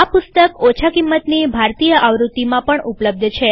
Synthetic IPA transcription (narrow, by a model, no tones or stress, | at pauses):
apʊst̪əkot͡ʃʰakimːət̪nibʱaɾt̪ijəʔaʋɾut̪ːimãpəɳupləb̚d̪ʱt͡ʃʰe